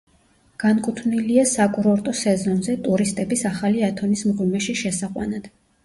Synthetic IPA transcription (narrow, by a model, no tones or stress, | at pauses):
ɡ̥ankʼut̪ʰvniliasakʼuɾɔɾt̪ʼɔsɛzɔnzɛt̪ʼuɾist̪ʼɛbisaχaliat̪ʰɔnismʁwimɛʃiʃɛsaqʼwa̰nad̪̥